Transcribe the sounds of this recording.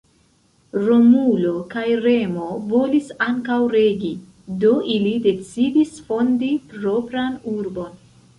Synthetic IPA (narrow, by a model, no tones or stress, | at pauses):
ɾomulo̞kajɾe̞mo̞vo̞lisaŋkawɾe̞ɡi | do̞ʔilide̞t͡sidisfo̞ndipɾo̞pɾanuɾbo̞n